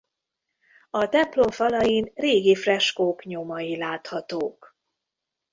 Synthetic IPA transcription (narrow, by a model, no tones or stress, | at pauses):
ɒt̪ɛmplo̞ɱfɒlɒjinreːɡifrɛʃkoːkɲomɒjilaːt̪hɒt̪oːk